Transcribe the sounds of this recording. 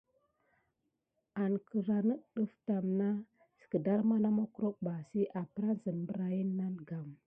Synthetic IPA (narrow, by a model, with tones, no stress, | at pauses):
a˨nkə˨ɾa˨nə˦ɗə˦fta˨mna˦ | si̥˨kə˨da˦ɾma˦na˦mo˦ku˦ɾo˦k̚ba˨si˦ʔa˨pə˦ɾa˦n˦zə˨nmbə˦ɾa˨ji˦nːa˦nɡa˨m